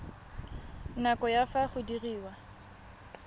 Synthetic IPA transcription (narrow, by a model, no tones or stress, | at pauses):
nakɔjafaχʊdiriːwa